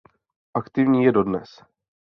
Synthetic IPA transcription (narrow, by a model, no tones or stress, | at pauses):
ʔakt̪ɪvɲiːjɛdo̞dnɛ̰s